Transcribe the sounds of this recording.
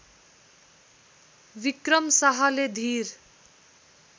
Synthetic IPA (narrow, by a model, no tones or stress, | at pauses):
bikrʌmsaɦʌled̪ʱir